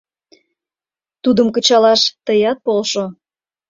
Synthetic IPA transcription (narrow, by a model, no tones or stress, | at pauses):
t̪ud̪əmkət͡ɕɑlɑʃt̪əjɑt̪̚polʃo